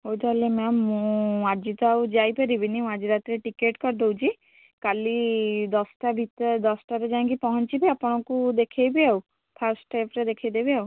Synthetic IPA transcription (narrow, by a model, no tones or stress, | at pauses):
owt̪alemɛmũaɾd͡ʒit̪ɔawd͡ʒajpɛɾibinĩad͡ʒiɾat̪ɾeʈikeʈkɔɾd̪owt͡ʃʰi | kalid̪ɔsʈabʱit̪d̪ɔsʈaɾed͡ʒãŋkipɔɦɔnt͡ʃibiapɔɽ̃ɔkud̪ekʰejbiaw | pʰaɾsʈepʰɾed̪ekʰejd̪ebiaw